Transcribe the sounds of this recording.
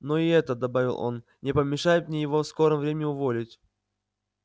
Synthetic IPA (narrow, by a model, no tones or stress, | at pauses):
noɪɛt̪əd̪ɐbavʲɪ̰lˠo̞̰n | nʲɪpəmʲɪʂajɪt̪mnʲejɪvofsko̞ɾəmvɾʲemʲɪɪʊvo̞lʲɪtʲ